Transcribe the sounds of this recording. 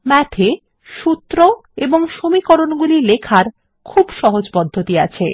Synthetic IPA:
mɛʈʰe | ʃut̪ːɾoeboŋʃomikoɾonɡulilekʰaɾ | kʰubʃɔɦod͡ʑpɔd̪ʱːot̪ia̰t͡ɕʰḛ

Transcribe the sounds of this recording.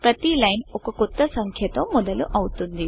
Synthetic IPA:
pɾɐt̪ilɐjnɔkɐkut̪ːɐsɐŋkʰjɐt̪omɔd̪ɐluʔɐwut̪und̪i

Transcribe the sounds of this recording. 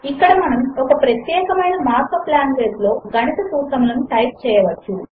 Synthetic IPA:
ikːɐɽɐmɐnɐmɔkɐpɾɐt̪jɛːkɐmɐjnɐmaːɾkɐplaːnʋeːslo̞ːɡɐnɐt̪ɐsuːsɐmlɐnuʈɐjp̚t͡ʃɛːjɐʋɐt͡ʃːu

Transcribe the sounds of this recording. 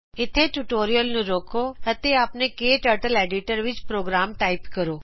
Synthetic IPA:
ɪt̪ʰeʈuʈoːɾijəlnũɾoːkʰoɐt̪eaːpnekeːʈəɾʈəleːɖɪʈəɾʋɪt͡ʃpɾoːɡɾaːmʈaːɪpkəɾoː

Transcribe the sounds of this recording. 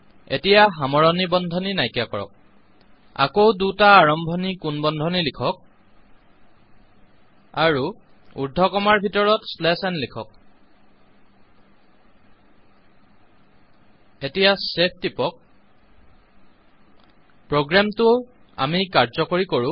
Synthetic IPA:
ḛtijaɦamɔɹɔnibɔndʱɔninajkakɔɹɔ̰k̚ | a̰kowdutaːɹɔmbʱɔnikunbɔndʱɔnilikʰɔk̚ | aɹu | ṵɹdʱɔkɔmaɹbʱitɔɹɔtslɛsɛnlikʰɔk̚ | etijasep̚ʰtipɔk̚ | pɹoɡɹamtʊ | a̰mikaɹzɔkoɹikoɹũ

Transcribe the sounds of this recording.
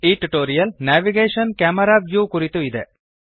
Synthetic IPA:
iːʈːuʈːoːɾijɐlnaːʋiɡeːʂɐnkɐmɐɾaʋjukurit̪ːuiðe

